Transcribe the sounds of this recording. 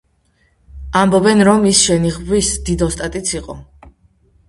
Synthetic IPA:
ambɔbɛnɾɔmisʃɛniʁbwisd̪id̪ɔst̪ʼat̪ʼit̪sʰiqʼɔ

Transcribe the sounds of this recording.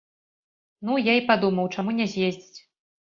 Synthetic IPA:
nujaipad̪umɐwt͡ʂamunʲɛzʲjezʲd͡zʲit͡sʲ

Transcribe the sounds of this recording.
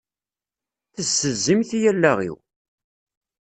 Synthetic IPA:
θəsːəzːimθijælːæʁḭw

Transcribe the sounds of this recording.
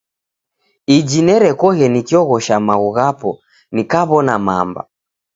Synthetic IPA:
id͡ʒinɛɾɛkɔɣɛnikiɔɣɔʃamaɣuɣapɔ | nikaβɔnama̰mba̰

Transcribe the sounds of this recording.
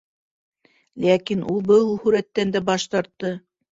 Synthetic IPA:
lækinulˠbɤulˠhʉɾæt̪ːænd̪æbɑʃt̪ɑɾt̪ːɤ

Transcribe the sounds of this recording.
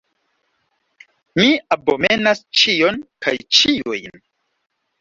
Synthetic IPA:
miabome̞nast͡ʃionka̰jt͡ʃiojn

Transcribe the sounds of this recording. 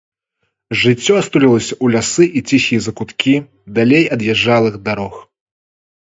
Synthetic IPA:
ʐɨt͡sʲːɔɐst̪ulʲilˠɐsʲɐʔulʲasɨʔit͡sʲixʲijɛzɐkut̪kʲʰi | d̪alʲejɐd̪jɛʐːalˠɨxd̪aɾɔx

